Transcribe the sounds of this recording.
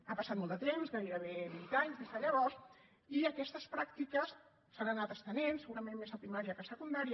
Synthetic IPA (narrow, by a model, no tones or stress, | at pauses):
apəsat̪̚mɔlˠd̪ət̪emzɣaeɾəβ̞eβint̪aɲzðezðəʎəβɔs | iəkɛst̪əspɾak̚t̪ikəs | sanənat̪əst̪ənensəɣuɾəmenmesat̪imaʒəkəsəkund̪aɾiə